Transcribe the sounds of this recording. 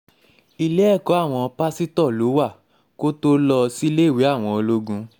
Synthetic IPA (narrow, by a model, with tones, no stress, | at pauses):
i˧lɛ˦ɛ˦˨kɔ˨˦a˦˨w̃ɔ̃˧ɔ˧pa˦si˦tɔ˦˨lo˨˦wa˦˨ | ko˦to˦lɔ˧si˦le˦˨we˨˦a˦˨w̃ɔ̃˧o˧lo˧ɡũ˧